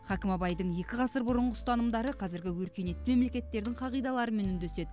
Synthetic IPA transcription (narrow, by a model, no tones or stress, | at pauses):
χɑkʲɪmɑbɑjd̪əɴje̞kʲɪʁɑsəɾbʊɾəɴʁəst̪ɑnəmd̪ɑɾəqʰɑzɪɾɡʲɪwɵɾkʲe̞ne̞t̪ːɪme̞mle̞kʲe̞t̪ːe̞ɾd̪ɪŋqʰɑʁijd̪ɑlˠɑɾəme̞nʏnd̪ese̞d̪ɪ